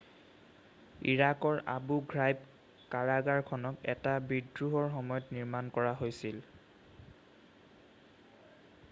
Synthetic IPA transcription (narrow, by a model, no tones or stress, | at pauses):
ḭɹakɔɹa̰buɡɹajb | kaɹaɡaɹkʰɔnɔkɛtabidɹuɦɔɹxɔmɔjɔtniɹmankɔɹaɦojsil